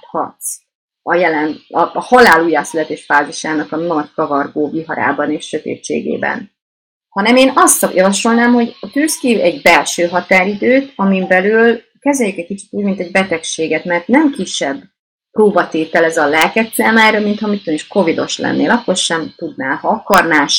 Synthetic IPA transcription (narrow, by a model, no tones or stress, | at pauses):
hɒ̰t̪s | ɒjɛlɛnɒhɒlaːluːjaːsylɛt̪eːʃfaːziʃaːnɒkɒnɒɟkɒvɒrɡoːviɦɒɾa̰ːbɒneːʃʃøt̪ḛːt͡ʃːḛːɡḛːbɛ̰n | hɒnɛmeːnɒst̪ɒjɒvɒʃo̞lnaːmɦo̞ɟɒt̪yskiɛɟbɛlʃøːɦɒt̪aːɾid̪øːt̪ɒmimbɛlyl | kɛzɛjykɛc̚kit͡ʃi̥t̪uɟmint̪ɛɟbɛt̪ɛkʃeːɡɛt̪mɛrt̪nɛmkiʃːɛbː | proːbɒt̪eːt̪ɛlɛzɒlɛlkɛt̪sɛːmaːjɾɒmint̪hɒmit̪ːøniʃko̞vid̪o̞̰ʃlɛ̰nːḛːlɒkːo̞rʃɛmt̪ud̪naːlɦɒɒkɒrnaːʃ